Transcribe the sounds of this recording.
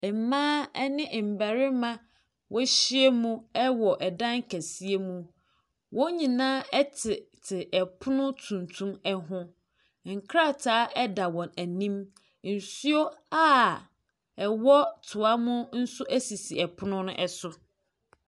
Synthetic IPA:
ɛ˨mãː˦ɛ˦nɪ̃˦ʔm̩˨bæ˨ɾɪ˦mã˦ | wʔɔ˦ɕi˦e˦mũ˦ɛ˦wɔ˨ʔɛ˨dã˦ŋ̩˦kʰæ˨si˦e˦mũ˦ | wʔɔ̃˦ɲĩ˨nãː˦ɛ˦tʰɪ˨tʰɪ˨ʔɛ˨pʰʊ˦nʊ̃˦tʰũ˨ntʰũ˦mɛ˦ɦʊ̃˦ | ŋ̩˨kʰɾa˦˨tʰaː˦ʔɛ˦da˨wɔ̃˨næ˨nĩ˦m | n̩˨su˦o˦a˦ | ɛ˨wɔ˦tʰʊ˨a˦mʊ̃˦n̩˦sʊ˦ʔæ˦si˨si˨ɛ˨pʰʊ˦nʊ̃˦nʊ̃˦ʔɛ˦sʊ˨

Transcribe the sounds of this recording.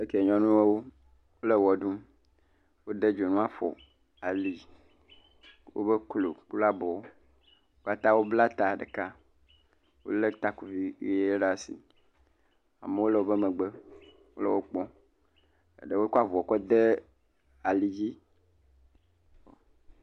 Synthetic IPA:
e˦ke˨ɲɔ̃˦nũ˦e˦wo˦ | wo˦le˦wɔ˨ɖũ˦ | wo˦de˦d͡ʒo˨nũ˦a˦fɔ̰˨ | a˨li˨ | wo̰˦be˦klo̰˨k͡pu˦la˦bɔ˨o˦ | o˦ka˦t̪ã˦wo˦bla˦t̪a˨ɖe˨ka˦ | wo̰˦le˦t̪a˦ku˨vi˦˨˦e˦e˦ɖa˦sḭ˨ | a̰˨me˨wo˦lɛ˦˨wo˦be˦mẽ˨ɡ͡be˦ | wo˦le˦wo˦k͡pɔ̃˦ | ḛ˨ɖe˨wo˦ko˦a˦˨vɔ˨kɔ˦d̪e˦ | a˨li˨d͡ʑi˦ | o˨

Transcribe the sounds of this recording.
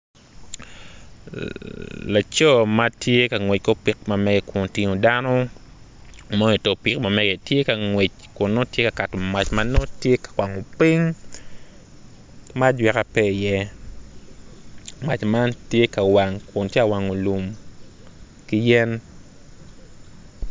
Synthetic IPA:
la˨t͡ʃɔ˦ma˦tje˦ka˨ŋwe˨t͡ʃ̚ko˦pi˨k̚ma˨mɛ˦ɡɛ˨ko˨nti˦ɲo˨danɔ˦ | mo˦e˨to˨pi˨kma˨mɛ˦ɡɛ˨tje˦ka˨ŋwe˨t͡ʃ | kʊ˨nːo˦tje˦ka˨ka˨to˨ma˨t͡ʃmano˦tje˦kḁ˨kwa˨ŋo˨pi˦ŋ | ma˦dwɛ˨ka˨pɛ˦˨jɛ˦ | ma˨t͡ʃma˦ntje˦ka˨wa˨ŋkʊ˨ntje˦a˨wa˨ŋo˨lu˨m | ki˦jɛ˦n

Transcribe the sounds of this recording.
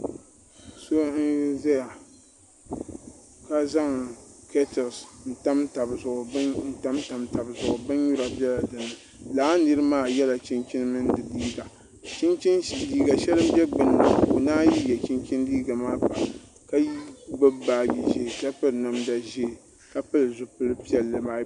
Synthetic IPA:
so˦n̩˦za˦ja˨ | ka˦za˦ŋke˦tɪ˨lsn̩˨ta˦mta˨bzʊ˨ʔʊ˨˦n̩˨ta˦mta˨mta˨bzʊ˨ʔʊ˨bɨ˦n˦ɲu˦ɾa˨bjɛ˦la˨dɨ˨nːɨ˨ | laː˦nɨ˦ɾɨ˦maː˦˨jɛ˦la˨t͡ʃi˦nt͡ʃi˦nɨ˦mɨ˦n˦dɨ˨diː˦ɡa˨ | t͡ʃi˦nt͡ʃi˦n˨diː˦ɡa˨ʃɛ˦lɨ˦mbɛ˦ɡ͡bɨ˨n˨o˨naː˦ji˦jɛ˨t͡ʃi˦nt͡ʃi˦ndiː˦ɡa˨maː˦ba˨ | ka˦ji˦ɡ͡bɨ˦baː˦˨bi˨ʒe˦˨ka˦pɨ˦lna˨mda˨ʒe˦˨ | ka˦pɨ˦lɨ˨zʊ˨pɨ˦lɨ˦pi˦ɛ˨lːɨ˨maː˦

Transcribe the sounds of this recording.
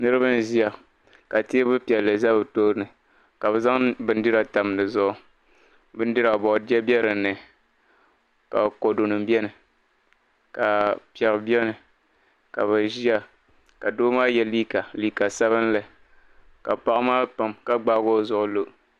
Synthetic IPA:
nɨ˦ɾɨ˦ba˦n˦ʒi˦a˨ | ka˨ti˦bɨ˦pi˨ɛ˨lːɨ˨za˦bɨ˨to˦nɨ˨ | ka˨bɛ˨za˦ŋbɨ˨˦n˦dɨ˦ɾa˨ta˨m˨nɨ˨zʊ˦ʔʊ˦ | bɨ˦n˦dɨ˦ɾa˨bɔ˨ʔdɛ˦bjɛ˦ɾɨ˨nɨ˨ | ka̰˨bko˨do˨nɨ˨mbɛ˦nɨ˨ | ka˨pɛ˨ɾbi˦ɛ˦nɨ˨ | ka˨βa˨ʒi˦a˨ | ka˨doː˦maː˦jɛ˨liː˦ka˨liː˦ka˨sa˦βɨ˦n˦lɨ˨ | ka˨pa˦ʔmaː˦pa˨mka˦ɡ͡ba˦ɡo˦˨zʊ˦˨ʔʊ˨lo˦

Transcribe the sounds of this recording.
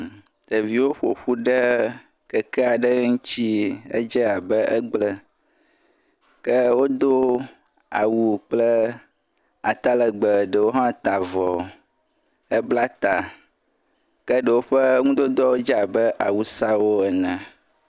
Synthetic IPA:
t̪ə˨vi˦wo˦ɸo˨ɸu˦ɖə˦ | kə˨kɛ˦a˨ɖə˦ŋũ˦t͡ɕi˦ə̰˦d͡ʒə˦a˨bə˦ʔə˦ɡ͡blə˦ | kə˦wo˦d̪o˦ | a̰˨wu˦˨k͡plə˦ | a˨t̪a˦lə˨ɡ͡bə˨ɖə˨wo˦ɦã˦t̪a˨vɔ˨ | ə˦bla˦t̪a˨ | kə˦ɖə˨wo˦ɸə˦ŋũ˦d̪o˦d̪ɔ˦wo˦d͡ʒa˨bə˦ʔa˨wu˦sa˦wo˦ɛ˨nɛ̃˨

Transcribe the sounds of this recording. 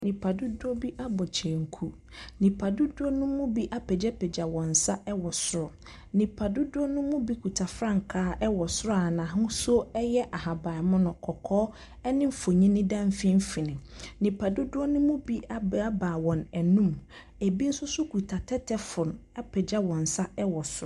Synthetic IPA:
nĩ˨pʰa˨dʊ˦dʊ˦ɔ˦bi˦ʔa˦bɔ˨t͡ɕʰɛ˨ŋ̩˨kʰu˦ | nĩ˨pʰa˨dʊ˦dʊ˦ɔ˦nʊ̃˦mʊ̃˦bi˦ʔa˦pʰɛ˨d͡ʑɛ˦pʰɛ˨d͡ʑa˨wɔ̃˨n̩˨sa˦ʔɛ˦wɔ˨sʊ˦ɾɔ˨ | nĩ˨pʰa˨dʊ˦dʊ˦ɔ˦nʊ̃˦mʊ̃˦bi˦kʰu˨tʰa˨fɾã˦ŋ˨kʰaː˦ɛ˦wɔ˨sʊ˦ɾɔ˦a˨nã˨ɦʊ̃˦sʊ˦ɛ˦jɛ˦ʔa˨ɦa˨ba˨mʊ̃˦nʊ̃˨kʰɔ˨kʰɔː˦ | ɛ˦nɪ̃˦m˦fo˨ɲĩ˦nɪ̃˦dã˦m˦fĩ˦m̩˦fi˨nɪ̃˨nĩ˨pʰa˨dʊ˦dʊ˦ɔ˦nʊ̃˦mʊ̃˦bi˦a˦a˦baː˨wɔ̃˨nɛ˨nũ˦m | æ˨bi˦n̩˦sʊ˦sʊ˦kʰu˨tʰa˨tʰɛ˦tʰɛ˦fʊ˨n˨ | a˦pʰɛ˨d͡ʑa˦wɔ̃˨n̩˨sa˦ɛ˦wɔ˨sʊ˦ɾɔ˦˨

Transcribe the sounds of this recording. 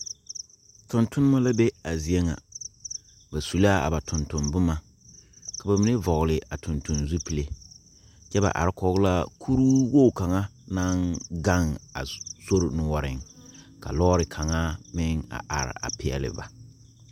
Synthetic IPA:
tʊ˨ntʊ˦nɪ˦ma˦la˦be˦a˨zi˨e˦ŋa̰˨ | ba˨su˨la˦a̰˨ba˨tʰʊ˨ntʊ˨nbʊ˦ma˨ | ka˨ba˨mi˨ne˦vɔ˨ɣlɪ˨ʔa˨tʰʊ˨ntʊ˨nzu˦pi˨le˨ | t͡ʃɛ˦ba̰˨ʔa̰˨ɾɪ˦kɔ˨˦ɣʊ˦la˦kʰu˦ɾuː˦wo˦˨ka˨ŋa˦ | na˦nɡa˦ŋa̰˨so˦ɾnʊ˨wɔ˦ɾɪ̰˨ŋ | ka̰˨lɔː˦ɾɪ˨kʰa˨ŋa˦mɪ˦ŋa̰˨ʔa̰˨ɾɪ̰˨a̰˨pɪ˨ɛ̰˨lɪ̰˨ba̰˨

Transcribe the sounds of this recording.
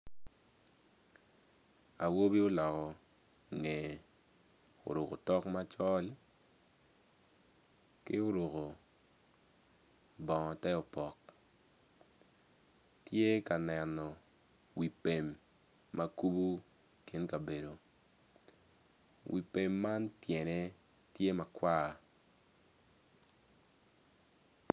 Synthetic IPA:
a˨wo˦bi˦o˦lɔ˨kɔ˨ | ŋe˨ | o̰˨ɾo˨ko˨tɔ˦kma˦t͡ʃɔ˦l | kɪ˦o˦ɾo˨ko˨ | bɔ˨ŋɔ˨tɛ˦o˨pɔ˨k | tje˦ka˨nɛ˨nɔ˨ | wi˨pe˨mː | a˦ku˦bu˦ | ki˦nka˨be˨do˨ | wḭ˨pe˨mːa˦ntjɛ˨ne˦ | tje˦ma˨kwa˦˨

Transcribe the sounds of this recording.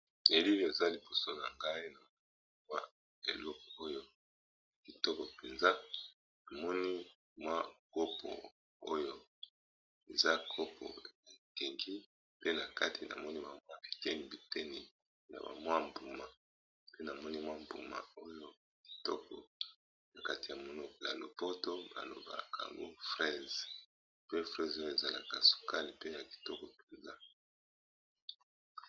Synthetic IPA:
e˨li˦˨e˨za˦li˨bo˨so˦na̰˨ŋɡa˦i˦na˨m˨˦ | wa̰˦ | e˨lɔ˦kɔ˨o˦jo˦ | ki˨tɔ˦kɔ˨pe˨nza˦ | na˨mɔ˦ni˦ | mwa˦ko˦pʰɔ̰˨ | o˦jo˦ | e˨za˦kʰo˦pʰɔ̰˨e˨ke˨ŋɡi˦ | pe˦na˨ka˦tʰi˨na̰˨mɔ˦ni˦ba˨mwa˦be˨kɛ˦ni˨bi˨tɛ˦ni˨ | na̰˨ba̰˨mwa˦m˨bu˨ma˨ | pe˦na˨mɔ˦ni˦mwa˦mbṵ˨ma̰˨o˦jo˦ | ki̥˨tɔ˦kɔ̰˨ | na˨ka˦ti˨ja˨mo˨nɔ˦kɔ˨ja̰˨lo˨po˦to˦ba̰˨lo̰˨ba̰˨ka˨a̰˨ŋɡo̰˦fʁɛ˦z | pe˦fʁɛ˦zo˦jo˦˨e˨za˦la˨ka˨su̥˨ka˦li˨pe˦ja˨ki̥˨tɔ˦kɔ˨pe˨nza˦

